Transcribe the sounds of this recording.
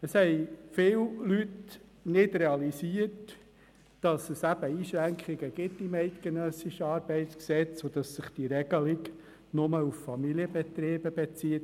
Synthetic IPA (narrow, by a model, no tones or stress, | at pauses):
əshɛɪfɪːllyt | nɪdɾɛɑlisiət | d̥ɑsəsæb̥əiːʃɾæŋkχɪɡəɡ̥ɪtːimɛɪt̪ɡ̥enœsɪʃəɑːɾbɛɪtsksɛt͡sod̥̪ɑsːɪχd̥iɾɛɡ̥əlɪɡ | nʊməuffɑmiliəbɛt̪ɾeːb̥əb̥et͡siːət